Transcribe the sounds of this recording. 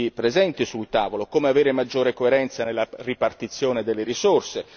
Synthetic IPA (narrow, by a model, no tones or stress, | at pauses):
ipɾezɛnt̪isult̪aːvolokoːmeaveːɾemad͡ʒːoːɾekoeɾɛnt̪sanelːaripart̪it̪sːjoːned̪elːeɾisorse